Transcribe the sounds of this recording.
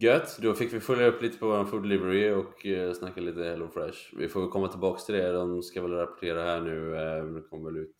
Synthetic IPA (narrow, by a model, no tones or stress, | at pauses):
ɡœt̪ːd̪ɔfɪkːvɪfœljaɵpːliːt̪ə̥pʰɔvoːɾanfʊld̪ɛlɪvəɾɪɔksnakːaliːt̪əhɛlofɾɛʂvɪ̰foːvɛlkʰɔmːat̪ʰɪlbɑːkst̪ʰɪld̪ɛd̪ɔmskavɛlɾɾapɔ̥ʈʰeːɾahæːɳʉ̟ːd̪ɛkʰɔmːəvɛlʉ̟ːt̪